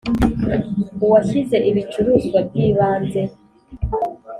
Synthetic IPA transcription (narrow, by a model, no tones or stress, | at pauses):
uwaçize̞ʔiβit͡ʃuɾuːzɡwab̚jiːβaːnze̞